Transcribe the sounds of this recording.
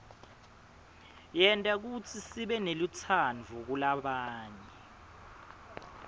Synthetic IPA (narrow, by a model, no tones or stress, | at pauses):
jɛntʼak̬ut͡sʰisiɓɛnelit͡sʰanvʱuk̬ulaɓaːɲɛ